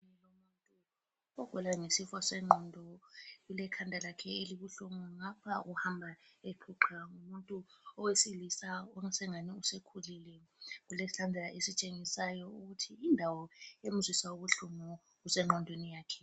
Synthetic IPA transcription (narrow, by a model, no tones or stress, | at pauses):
ɛlomuntʼu | ɔɡ̥ʱɛlaŋesifasɛŋ͡ǃɔndʱɔɣulɛkʰandʱalakʰɛeliβuɬuŋɔŋapʰaʔuhambʱaepʰuǃʰaŋumuntʼuɔwesilisaɔŋɛsɛŋaniusekʰulilɛɣulesilandʱɛlaʔesit͡ʃʼeŋisajɔuɣutʰiːndʱawɔem̩zwisauβuɬumɔ | ɣusɛŋ͡ǃɔndʱwenijaːkʰɛ̥